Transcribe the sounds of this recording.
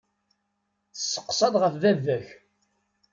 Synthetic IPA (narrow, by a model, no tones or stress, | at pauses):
θsːə̥qːsˤɑðʁəfðævːæç